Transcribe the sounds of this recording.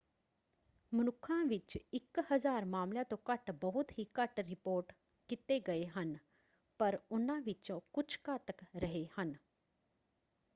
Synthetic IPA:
munukʰãʋit͡ʃikhəd͡zaːɾmaːmljat̪okəʈbəɦut̪ɦikəʈɾipoːɾʈ | kit̪eɡəeɦən | pəɾunaʋit͡ʃõkut͡ʃʰkat̪əkɾəɦehən

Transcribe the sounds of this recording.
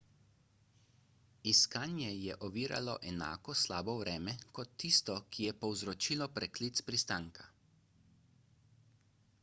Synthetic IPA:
iskaːnjɛjɛʔɔʋiːɾa̰lɔ̰ʔɛna̰ːkɔslaːbɔwɾɛːmɛkɔt̪ːist̪ɔkijɛpɔwzɾɔt͡ʃiːlɔpɾɛkliːt̪spɾist̪aːŋkʰa

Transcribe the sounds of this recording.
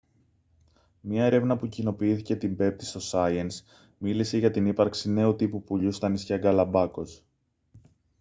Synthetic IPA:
mɲɐe̞ɾe̞vnɐpucino̞piiθice̞t̪imbe̞p̚t̪i̥st̪o̞sɐiɐns | milise̞ʝɐt̪inipɐɾksine̞ut̪ipupuʎust̪ɐnisçɐɡɐlɐbɐko̞s

